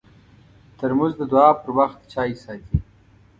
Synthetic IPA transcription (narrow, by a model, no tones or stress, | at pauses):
t̪əɾmuzd̪əd̪uɑːpəɾwaxt̪t͡ʃɑːjisɑːt̪ʰi